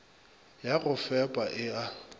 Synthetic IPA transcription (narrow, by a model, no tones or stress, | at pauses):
jaɣʊfɛpʼaʔɪa